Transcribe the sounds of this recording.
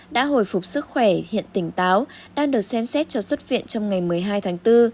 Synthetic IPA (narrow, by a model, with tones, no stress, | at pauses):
ɗa̰ː˧˥ɦo̰˧˩˨jfʊ˨˩k͡p̚sɨ˦˥k̚xwɛ˧˩hḭ˧˨ənt̪ï˧˩ŋ̟t̪aː˨˦wɗaː˧ŋɗɨ˨˩ət̚sɛ˧msɛ˦˥t̚t͡ɕɔ˧swə˦˥t̚vḭ˧˨ənt͡ɕɔ˧wŋ͡mŋa˨˩jmɨ˨˩əjɦaː˧jt̪ʰaː˨˦ŋt̪ɨ˧